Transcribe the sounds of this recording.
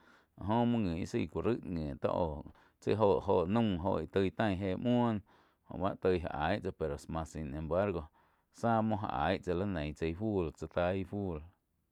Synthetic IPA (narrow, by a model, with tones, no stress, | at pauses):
a˨ʔɦõ˦mɔ̃˦ŋĩ˨ḭ˦sḭ˧˨kʷu˨ɾɨ˦ʔŋẽː˨t̪a̰˦ʔoː˨ | t͡sə˦ɦo˧˨ʔɦo˧˨ʔnũ˦˧ɦo̰˧˨ʔi˨t̪ə˧jt̪ã˧˨j̃ɦeː˧˨mwuɔ̃˦n | hõ̰˧˨ba˦ʔt̪ə˧jɦa̰˨ʔa˨˦jʔt͡sa˧˨pe˨ɾo˨smã˧sĩ˧nẽ˧˨mba˦ɾɡo˧ | saː˦mõ˧ɦa̰˧˨ʔa˨jʔt͡sa˧la˦nẽ˨j̃t͡se˧jfuː˦˨lt͡sa˧t̪a˧˦i˦˧fu˦˨l